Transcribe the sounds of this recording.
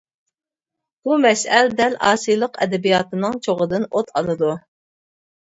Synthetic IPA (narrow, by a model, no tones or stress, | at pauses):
b̥umɛsɛld̪ɛlɑ̰ːsijlˠəqʰɛ̰d̪ɛbijɑt̪ɨnɨŋt͡ʃʰoʁəd̪ɨnot̪ʰɑlˠɨd̪u